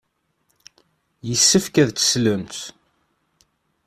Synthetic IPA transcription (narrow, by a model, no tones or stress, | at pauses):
jəsːəfkæðt͡sːə̥slənt̪